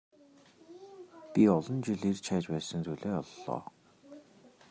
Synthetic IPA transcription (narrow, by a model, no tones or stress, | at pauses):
pʲiɔɮɞ̆nt͡ɕiɮirt͡ɕʰæːt͡ɕpæːsə̆ŋt͡suɮeːɔɮːɔ̰ː